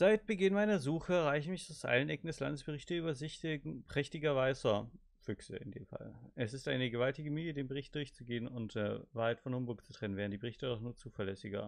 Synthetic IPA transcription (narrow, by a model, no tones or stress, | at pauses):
z̥aɪt̚b̥əɡɪnmaɪnɐzuːχəʁaɪçn̩mɪçaʊsʔa̰lənʔɛkŋ̩dɛsla̰ndəsb̥əʁɪçtəyːbɐzɪtpʁ̥ɛçtɪɡɐvaɪzɐ | fʏksə̰ɪndḛːmfa̰lʔɛsɪstʔaɪnəɡəvaltɪɡəmyːjədeːnbəʁ̞ɪçt̚d̥ʊɐçt͡suɡeːənʊntdɛvaːɐhaɪtfɔnhʊmbʊk̚t͡su̥tʁ̥ɛnənvɛːʁ̞ndiːbəʁɪçtədɔχnuːɐt͡suːfɐlɛsɪɡɐ̰